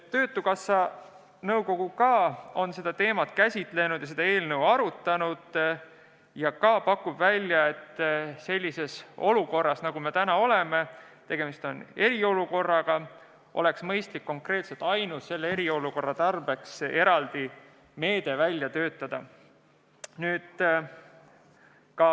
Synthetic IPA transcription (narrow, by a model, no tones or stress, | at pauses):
t̪ːø̞ːt̪ːˑukɑsːɑ | nɤwko̞ɡ̥ukɑːo̞nse̞d̪ɑt̪e̞ːmɑt̪kæsʲit̪ˑle̞nud̪̥jɑs̬e̞d̪ɑe̞ːlnɤwɑɾut̪ːˑɑnud̪̥ | jɑkɑːpɑkːˑubvælʲːjɑe̞t̪ːse̞lʲːise̞so̞luko̞rːɑsnɑɡ̥ume̞t̪ænɑo̞le̞me̞t̪e̞ɡ̥e̞mist̪o̞ne̞ɾio̞luko̞rːɑɡ̥ɑ | ʔo̞le̞ksmɤjst̪likːo̞ŋkre̞ːt̪set̪ːˑɑjnusse̞lːee̞ɾio̞luko̞rːɑt̪ɑrb̥e̞kse̞ɾɑld̪̥i | me̞ːd̪̥e̞vælʲːjɑt̪øːt̪ˑːɑd̪̥ɑ | nyːd̪̥ | kɑ